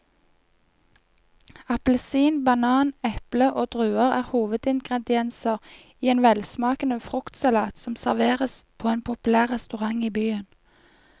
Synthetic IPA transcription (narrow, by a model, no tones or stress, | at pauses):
ɑpləsiːnbɑnɑːnɛpləʔoːd̪̥ʁʉːəʁæːʁhuːʋəd̪ɪŋɡʁɛd̪ɪɛnsəʁ | iːeːnʋɛlsmɑːkənəfʁʊkt̪sɑlɑːt̪sɔmsæʁʋeːʁəspʰoːeːnpʰʊpʉlæːʁʁɛst̪ʉʁɑŋiːbyːən